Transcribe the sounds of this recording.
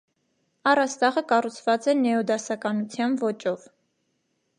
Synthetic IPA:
ɑrɑst̪ɑʁəkɑrut͡sʰvɑt͡sɛnɛɔd̪ɑsɑkɑnut͡sʰjɑnvɔt͡ʃɔv

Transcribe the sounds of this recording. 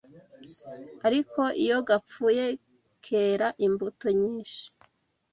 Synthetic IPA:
aɾiko̞ʔijo̞ɡap͡fuje̞ | kʰeːɾaʔimbutoɲiːnʃi̥

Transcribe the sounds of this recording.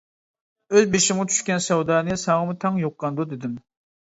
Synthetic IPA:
øzbeʃɪmʁɑt͡ʃʰy̥ʃkʲɛnsɛwd̪ɑːnɨsɑŋəmut̪ʰɛŋjoqːɑnd̪ud̪ɪd̪ɪm

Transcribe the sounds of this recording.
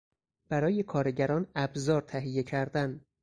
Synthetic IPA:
b̥æɾɒːje̞kʰɒːɾeɟæɾɒːnæbzɒːɾt̪ʰæɦije̞cʰæɾd̪æn

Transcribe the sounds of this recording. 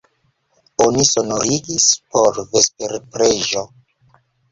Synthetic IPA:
oniso̞noɾiɡispo̞ɾve̞speɾpɾeʒo

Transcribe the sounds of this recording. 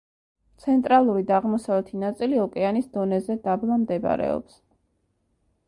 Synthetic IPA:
t̪sʰɛnt̪ʼɾalˠuɾid̪aːʁmɔsavlɛt̪ʰinat̪sʼiliɔkʼɛanisd̪ɔnɛzɛd̪ablˠamd̪ɛb̰ɾɛ̰ɔ̰ps

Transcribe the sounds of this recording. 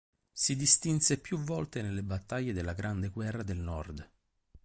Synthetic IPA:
sid̪ist̪insepjuvːɔlt̪enelːebat̪ːaʎːed̪elːaɡɾand̪eɡwɛrːad̪elnɔrd̪

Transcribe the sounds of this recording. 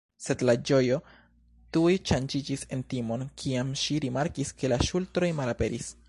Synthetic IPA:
se̞dlad͡ʒo̞jo̞ | tujʃand͡ʒid͡ʒise̞ntimo̞nkʰiamʃiɾimaɾkiske̞laʃultɾo̞jmalape̞ɾis

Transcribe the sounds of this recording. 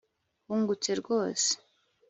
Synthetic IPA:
huŋɡut͡seɾɡo̞ːse̥

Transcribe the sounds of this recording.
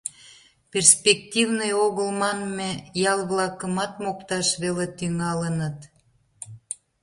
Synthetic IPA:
pʲerspek̚t̪ʲivnəjoɣəlmɑnmejɑlβlɑkəmɑt̪mokt̪ɑʃβelet̪yŋɑlənət̪

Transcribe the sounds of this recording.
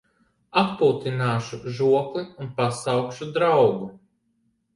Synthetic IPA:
appuːt̪inaːʃuʒuɔkliunpasawkʃud̪ɾawɡu

